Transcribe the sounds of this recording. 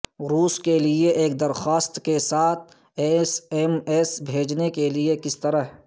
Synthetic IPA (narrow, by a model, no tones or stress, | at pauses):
ɾuːskelieʔeːk̚d̪ɐɾxaːst̪kesaːt̪ʰ | esemesbʱeːd͡ʒnekeliekɪst̪əɾəɦ